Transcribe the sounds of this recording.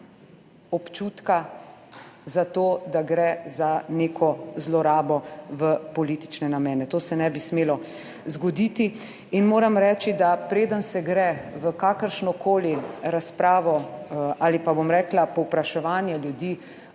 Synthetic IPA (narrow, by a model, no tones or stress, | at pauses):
ɔpt͡ʃuːt̪ka | zat̪oːd̪aɡɾɛzaneːkʰɔzlɔɾaːbɔʋəpɔliːt̪i̥t͡ʃnɛnamɛːnɛt̪oːsɛnɛbismeːlɔ | zɡɔd̪iːt̪i | inmoːɾamɾɛːt͡ʃid̪apɾeːd̪ənsɛɡɾɛʋəkaːkəɾʃnɔkʰoːliɾaspɾaːʋɔaːlipabomɾɛːklapɔwpɾaʃɛʋaːnjɛljud̪iː